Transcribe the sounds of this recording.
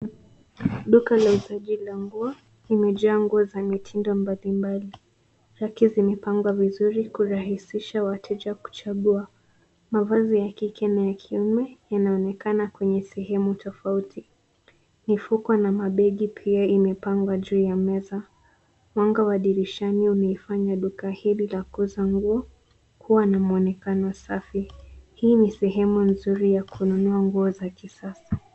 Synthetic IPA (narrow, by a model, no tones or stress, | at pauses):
ɗukalauzaʄilaŋɡua | limɛʄuaŋɡuɔzamitʰindɔmbalimbali | ɾakizimɛpaŋɡwavizuɾikuɾaɦisiʃawatʰɛʄaku̥t͡ʃaɠua | mavazijakikʰɛnajakʰiumɛjanaɔnɛkanakwɛɲɛsɛɦɛmutʰɔfautʰi | nifukwanamaɓɛɠipʰiaimɛpaŋɡwaʄuːjamɛza | mwaŋɡawaɗiɾiʃaniunaifaɲaɗukahililakuzaŋɡuɔ | kuwanamuɔnɛkanɔsafihiːnisɛɦɛmunzuɾijakʰununuaŋɡuɔzakisasḁ